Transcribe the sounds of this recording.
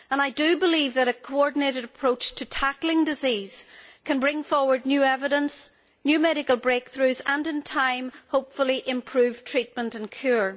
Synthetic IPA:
ə̃naɪdəbɪlˠivðəɾɨkʰoɔɹdⁿn̩eɾɨɾəpʰɹ̥ot͡ʃtʰətʰaklˠɪ̃ŋdɪziz̥kʰə̃nbɹɪ̃ŋfɔɹwə˞dⁿnjʉːɛvɪɾə̃ns | njʉmɛɾɪkəlˠbɹek̚θɹʉzə̃nɪ̃ntʰãɪ̃mhoʊpfəl̩ˠiʔɪ̃mpʰɹ̥ʉv̥tʰɹ̥it̚mə̃ntə̃nkʰj̥uɹ

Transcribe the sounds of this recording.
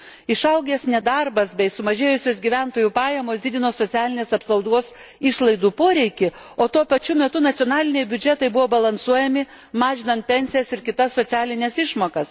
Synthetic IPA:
ɪʃɐʊɡʲɛsnʲɛd̪ɐɾbɐsbʲɛɪsʊmɐʒʲeːjʊsʲoːsɡʲiʋʲænt̪oːjupɑːjɛmoːsd̪ʲɪd̪ʲɪnoːssotsʲæːlʲɪnʲeːsɐpsɐʊd̪oːsɪʃlˠɐɪd̪uːpoːɾʲɛɪkʲɪ | oːt̪uɔpɐt͡ʃʲumʲɛt̪ʊnɐt̪ʲiɔnɑːlʲɪnʲɛɪbʲʊd͡ʒʲɛt̪ɐɪbʊʋoːbɐlˠɐnsuɔjɛmʲɪ | mɑːʒʲɪnɐnt̪̚pʲɛnʲsʲɪjɛsɪɾkʲɪt̪ɐsːoːtsʲæːlʲɪnʲɛsɪʃmoːkɐs

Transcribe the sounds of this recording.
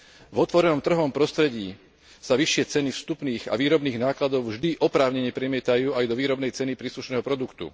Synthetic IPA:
vɔt̪ʋɔɾɛnɔmt̪r̩ɦɔʋɔmpɾɔst̪ɾɛɟiː | saʋiʃɪɛt͡sɛnifst̪upniːɣa̰ʋiːɾɔbniːɣnaːklad̪ɔʊvʒd̪iʔɔpɾaːʊɲɛɲɪɛpɾɛmɪɛt̪ajuːajd̪ɔʋiːɾɔbnɛjt͡sɛnipɾiːsluʃnɛːɦɔpɾɔd̪ukt̪ṵ

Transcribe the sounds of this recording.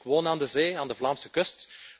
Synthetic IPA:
kəwoːnaːndəzeːaːndəvlaːmsəkɵst

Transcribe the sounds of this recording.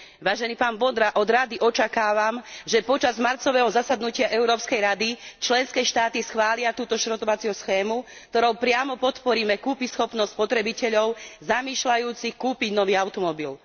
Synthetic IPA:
ʋaːʒɛniːpaːnbɔd̪ɾaʔɔd̪ɾad̪iʔɔt͡ʃakaːʋamʒɛpɔt͡ʃazmaɾt͡sɔʋɛɦɔzasad̪nucɪaʔɛuɾɔːpskɛjɾad̪it͡ʃlɛnskɛːʃt̪aːt̪isxʋaːlɪat̪uːt̪ɔʃɾɔt̪ɔʋat͡siɔsxɛːmu | kt̪ɔɾɔʊpɾɪamɔpɔt̪pɔɾiːmɛkuːpisxɔpnɔst̪ʲspɔt̪ɾɛbicɛʎɔʊzamiːʃlajuːt͡sixkuːpiɟnɔʋiːaʊt̪ɔmɔbil

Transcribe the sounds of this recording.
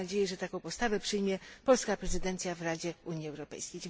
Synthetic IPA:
ad͡ʑejɛʐɛt̪akɔ̃w̃pɔst̪avɛpʂɘjmʲjɛpɔlskapɾɛzɘd̪ɛnt̪sʲjavɾad͡ʑɛuɲjiɛwɾɔpɛ̰jskʲej

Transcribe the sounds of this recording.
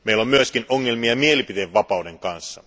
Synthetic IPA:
meilːo̞mmyøskinʔoŋːe̞lmiɑmielipit̪eʋʋɑpɑude̞ŋkɑnsːɑ

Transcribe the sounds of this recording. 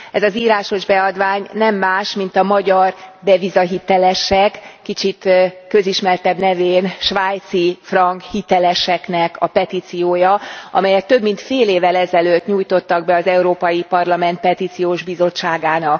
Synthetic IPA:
ɛzɒziːɾaːʃo̞ʒbɛɒd̪ʋaːɲnɛmːaːʃmin̪t̪ɒmɒɟɒrbɛvizɒɦit̪ɛlɛʃɛkːit͡ʃit̪kø̞ziʃmɛrt̪ɛbnɛveːnʃʋaːjt̪sifrɒŋkhit̪ɛlɛʃɛknɛkɒpɛt̪iːt̪sijoːjɒʔɒ̰mɛjɛkt̪ø̞bmint̪feːleːvɛlɛzɛløːt̪ɲuːjt̪o̞t̪ːɒɡ̚bɛɒzɛuɾoːpɒjipɒrlɒmɛnt̪̚pɛt̪iːt̪sijoːʒbizo̞t͡ʃːaːɡaːnɒk

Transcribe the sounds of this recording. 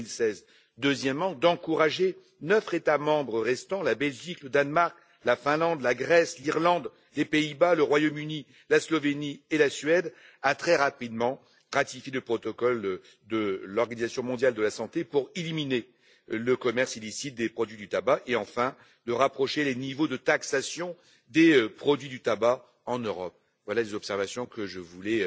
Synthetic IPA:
ilsɛz | d̪øzjɛmːɑ̃d̪ɑ̃kuʁaʒe | nœfχet̪amɑ̃bʁəʁɛst̪ɑ̃labɛlʒikləd̪anmaʁk | lafɛ̃lɑ̃d̪laɡʁɛsliʁlɑ̃d̪ | lepeibaləʁwajɔmyni | laslɔvenielasɥɛd̪ | at̪χɛʁapid̪mɑ̃ | ʁat̪ifjeləpχɔt̪ɔkɔl | d̪əlɔʁɡanizasjɔ̃mɔ̃d̪jald̪əlasɑ̃t̪epuʁilimine | ləkɔmɛʁsilisit̪̚d̪epχɔd̪ɥid̪yt̪abaʔeɑ̃fɛ̃ | d̪əʁapχɔʃelenivod̪ət̪aksasjɔ̃ | d̪epχɔd̪ɥid̪yt̪aba | ɑ̃nøʁɔp̚ | vwalalezɔpsɛʁvasjɔ̃kəʒəvulɛ

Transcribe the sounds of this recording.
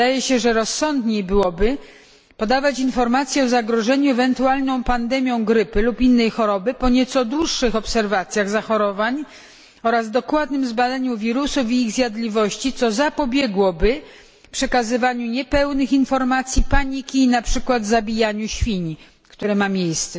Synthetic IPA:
ajɛɕɛʐɛɾɔsːɔnd̪ɲejbɘwɔbɘ | pɔd̪avat͡ɕinfɔɾmat̪sʲjɛɔzaɡɾɔʐɛɲuɛvɛnt̪ualnɔ̃w̃pand̪ɛmʲjɔ̃w̃ɡɾɘpɘlupinːɛjxɔɾɔbɘpɔɲɛt̪sɔd̪wuʂːɘxɔpsɛɾvat̪sʲjaɣzaxɔɾɔvaɲ | ɔɾazd̪ɔkwad̪nɘmzbad̪aɲuvʲiɾusuvʲiiɣzʲjad̪lʲivɔɕt͡ɕit̪sɔzapɔbʲjɛɡwɔbɘ | pʂɛkazɘvaɲuɲɛpɛwnɘxinfɔɾmat̪sʲjipaɲikʲiːnapʂɘkwad̪zabʲijaɲuɕfʲiɲi | kt̪uɾɛmamʲjejst̪sɛ

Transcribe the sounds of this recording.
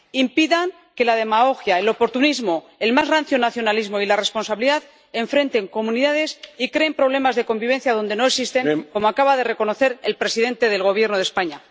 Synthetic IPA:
impiðaŋ | ke̞laðe̞maɣo̞xjaelo̞po̞ɾt̪unizmo | e̞lmazranθjo̞naθjonalizmo̞ilare̞spo̞nsaβiliðað | e̞ɱfɾe̞nt̪e̞ŋko̞mũniðaðe̞sikɾe̞ːmpɾo̞βle̞mazðe̞ko̞mbiβ̞e̞nθjaðo̞nd̪e̞no̞eksist̪e̞ŋko̞moakaβaðe̞re̞ko̞no̞θe̞ɾelpɾe̞siðe̞nt̪e̞ðe̞lɣ̞o̞βje̞ɾnoð̞espaɲa

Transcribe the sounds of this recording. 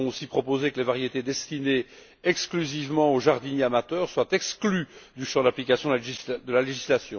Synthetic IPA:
ɔ̃osipχɔpozekəlevaʁjet̪ed̪ɛst̪ine | ɛksklyzivmɑ̃oʒaʁd̪ineamat̪œːʁswat̪ɛksklyd̪yʃɑ̃d̪aplikasjɔ̃d̪laʒid̪əlaleʒislasjɔ̃

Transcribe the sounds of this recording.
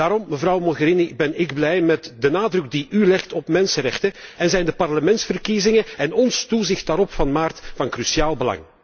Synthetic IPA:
daːɾɔmːəvrɑwmɔɣəɾinibɛnɪɡblɛjmɛtdənaːdrɵkdiʔylɛxtɔpmɛnsəɾɛxtəɛnzɛjndəpɑrləmɛntsfərkizɪŋəɛnɔnstuzɪxtdaːɾɔpfɑnmaːrtfɑnkrysiaːlˠbəlɑ̰ŋ

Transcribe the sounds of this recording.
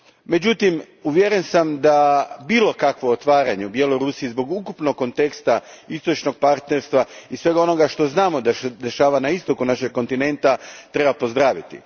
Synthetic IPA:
me̞d͡ʑut̪im | uʋjeɾe̞nsamd̪abiːlˠo̞kakʋoot̪ʋaːɾa̰ɲeubjelo̞ɾusiizbo̞ɡukupnoɡːo̞nt̪e̞kst̪aist̪o̞t͡ʃno̞ɡ̚paɾt̪ne̞ɾst̪ʋaisʋe̞ɡao̞no̞ɡaʃt̪o̞znaːmo̞d̪ad̪eʃaːʋanaist̪o̞kunaʃe̞ɡ̚ko̞nt̪ine̞nt̪at̪ɾe̞bapozd̪ɾaːʋit̪ḭ

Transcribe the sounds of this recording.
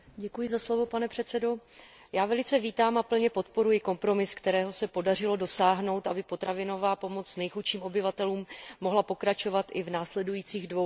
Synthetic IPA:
ɟɛkujɪzaslo̞vo̞panɛpr̝̥ɛt̪t͡sɛdo̞ | jaːvɛlɪt͡sɛviːt̪aːmapl̩ɲɛpo̞t̪̚po̞ɾujɪko̞mpɾo̞mɪskt̪ɛɾɛːɦo̞sɛpo̞dar̝ɪlo̞do̞saːɦno̞wt̪ʔabɪpo̞t̪ɾavɪno̞vaːpo̞mo̞t͡snɛjxutʃiːmo̞bɪvat̪ɛluːmːo̞ɦlapo̞kɾat͡ʃo̞vat̪ʔɪvnaːslɛdujiːt͡siːɣdvow

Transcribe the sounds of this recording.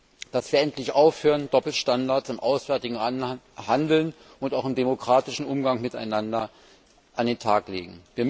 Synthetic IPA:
d̥asv̥iːɐɛntʰlɪçʔaʊfhøːʁəndɔpl̩ʃtandaɐtsɪmʔaʊsv̥ɛːɐtɪɡŋ̩ | handl̩n | ʔʊntaʊxɪmdemokʁ̥aːtɪʃn̩ʔʊmɡaŋmɪta̰ɪnandɐ | ʔandeːntʰaːklḛːɡŋ̩viːɐm

